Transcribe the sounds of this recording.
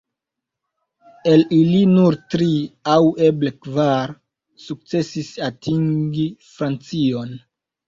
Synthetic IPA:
elilinuɾtɾiaweblekvaɾ | suk̚t͡se̞sisatʰiŋɡifɾant͡sio̞n

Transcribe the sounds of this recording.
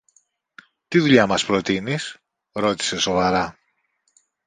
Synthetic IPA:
t̪iðuʎɐmɐspɾo̞t̪inis | ɾo̞t̪i̥se̞so̞vɐɾɐ

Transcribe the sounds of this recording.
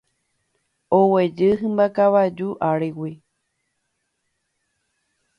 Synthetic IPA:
owed͡ʒɨɦɨ̃mbakaβad͡ʒuʔaɾiwi

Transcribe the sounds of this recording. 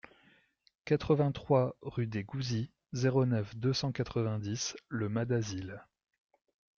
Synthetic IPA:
kat̪χəvɛ̃t̪χwaʁyd̪eɡuzi | zeʁonəfd̪øsɑ̃kat̪χəvɛ̃d̪isləmad̪azil

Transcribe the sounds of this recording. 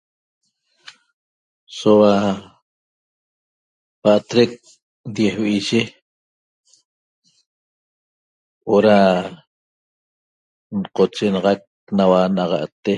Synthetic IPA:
sowa | paʔt̪ɾek̚ | d̪jehwiʃe | ʔoɾa | nqot͡ʃenɑʁɑk̚ | nawanɑʁɑ̰ʔt̪e

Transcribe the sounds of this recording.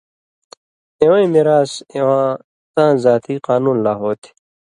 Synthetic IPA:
ewãĩniɾaːsewãː | t̪ãːzaːt̪ʰiːqaːnuːnlaːɦoːt̪ʰi̥

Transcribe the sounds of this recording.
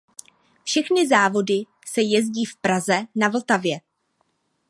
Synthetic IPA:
fʃɛxnɪzaːvo̞dɪ | sɛjɛzɟiːfpɾazɛnavl̩t̪avjɛ

